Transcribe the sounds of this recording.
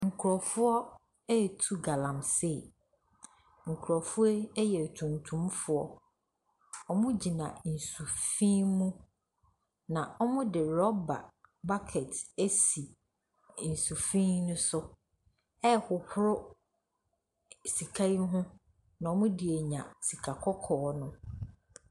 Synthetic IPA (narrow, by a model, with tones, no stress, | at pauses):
ŋ̩˨kʰʊ˨ɾɔ˨fʊ˦ɔ˦ | ɛ˦˨tʰu˦ɡa˨lã˨mse˦˨ | ŋ̩˨kʰʊ˨ɾɔ˨fʊ˦ɔ˦jɛ˨tʰũ˨ntʰũ˦mfʊ˦ɔ˦ | ɔ˦mʊ̃˦d͡ʑi˨nã˨n̩˨su˨fĩ˦mũ˦ | nã˨ɔ˦mʊ̃˦dɪ˨ɾɔ˦ba̰˨ba˦kʰɛ˨tæ˦si˨ | n̩˨su˨fĩ˦nʊ̃˦sʊ˦ | ɛ˦hʊ˨hʊ˦ɾʊ˦ | si˨kʰa˦i˦ɦʊ̃˦ | nã˨ɔ˨˦mʊ̃˦dɪ˨e˨ɲã̰˨si˨kʰa˨kʰɔ˦kʰɔː˨˦nʊ̃˦